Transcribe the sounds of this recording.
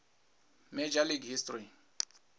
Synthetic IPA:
mɛd͡ʒaliɡhistri

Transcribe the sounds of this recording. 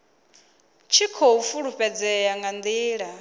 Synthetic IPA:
t͡ʃʰikʰɔufuɺuɸɛd͡zɛjaŋɡand̪iːɺa

